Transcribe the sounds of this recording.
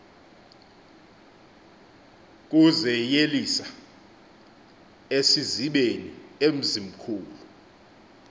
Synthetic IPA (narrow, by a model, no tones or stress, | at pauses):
k̬ʼuzɛjelisa | esiziɓeniem̩zim̩kʰuːlu